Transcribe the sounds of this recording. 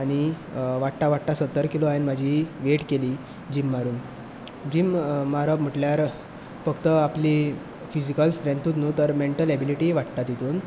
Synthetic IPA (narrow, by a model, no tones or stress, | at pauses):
aɽ̃i | ʋaʈt̪aʋaʈt̪asət̪ːəɾkiloajenmad͡ʑʱiʋeʈkeliː | d͡ʑimːaɾuːn | d͡ʑimːaɾəm̤əʈljaɾ | fəkt̪əapli | fid͡ʑikəlsʈɾẽnt̪uːt̪nuːt̪əɾmeɳʈəlɛbiliʈiːʋaʈt̪at̪jit̪uːn